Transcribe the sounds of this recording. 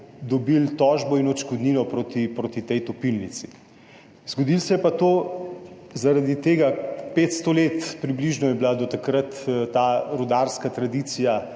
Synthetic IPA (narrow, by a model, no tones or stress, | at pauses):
d̪ɔbilt̪ɔːʒbɔinɔt͡ʃkɔd̪nilɔpɾoːt̪ipɾoːt̪it̪ɛjt̪ɔpilnit̪si̥ | z̥ɡod̪ilsɛjɛpat̪oː | zaɾad̪it̪eːɡapeːt̪st̪oleːt̪pɾibliʒnɔjɛbilad̪ɔt̪akɾət̪t̪aːɾud̪aːɾskat̪ɾad̪iːt̪sija